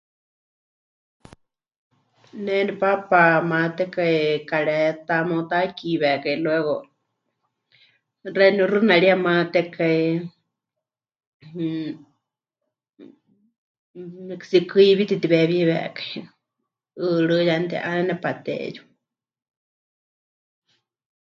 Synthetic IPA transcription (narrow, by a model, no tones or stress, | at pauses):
nɛdɛpapamãt̪ɛkaikaɺɛt̪amot̪akiβɛkailwɛɣo | rɛnurɨnaɺiamãt̪ɛkai | mksikɨiβit̪it̪iβɛβiβɛ̰kai | ɨɺɨjant̪ɛ̰ʔanɛnɛpat̪ɛ̰ju̥